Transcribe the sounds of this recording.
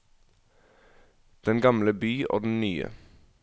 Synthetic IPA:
d̪̥ɛnɡɑmləbyːʔo̰ːd̪n̩nyːə̰

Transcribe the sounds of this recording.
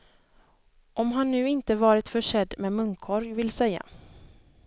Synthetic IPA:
ʔɔmɦanːʉ̟ːɪnt̪əvɑːɾɪt̪fœʂɛd̪mɛmɵŋkʰɔɾjvɪlsɛjːa̰

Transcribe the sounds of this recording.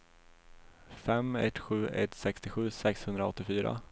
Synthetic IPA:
fɛmɛt̪ːɧʉ̟ːʔɛ̰t̪sɛkst̪ɪɧʉ̟ːsɛkshɵnd̪ɾaɔt̪ːɪfyːɾa̰

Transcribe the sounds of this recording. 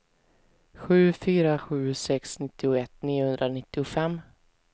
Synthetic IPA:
ɧʉ̟ːfyːɾaɧʉ̟ːsɛksnɪt̪ːɪʊɛt̪ːniːʊhɵnd̪ɾanɪt̪ːɪʊfɛmː

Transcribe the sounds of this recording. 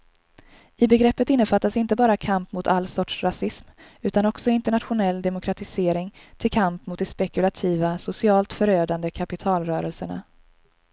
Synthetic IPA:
ɪbɛɡɾɛpːət̪ɪnːəfat̪ːasɪnt̪əbɑːɾakʰampmʊt̪ʰalːsɔʈʂɾasɪsm | ʉ̟ːt̪anɔksɔɪnt̪ɛɳat̪ɧʊnɛlːd̪ɛmʊkʰɾat̪ɪseːɾɪŋt̪ʰɪlkʰampmʊt̪̚d̪ɛspɛkɵlat̪ʰiːvasʊsɪɑːlt̪fœɾøːd̪and̪əkʰapɪt̪ʰɑːlɾœːɾəlsəɳa̰

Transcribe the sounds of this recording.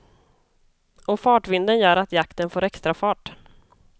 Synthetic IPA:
ɔfɑːʈvɪnd̪ənjœːɾat̪jakt̪ənfoːɾɛkst̪ɾafɑːʈ

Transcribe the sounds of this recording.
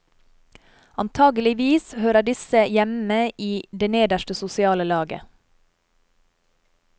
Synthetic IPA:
ɑnt̪ʰɑːɡəlɪʋiːshøːɾəɖɪsəjɛməʔiːd̪eːneːd̪əʃʈəsʊsɪɑːləlɑːɡə̰

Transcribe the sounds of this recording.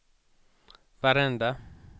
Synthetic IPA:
faɾɛnd̪a

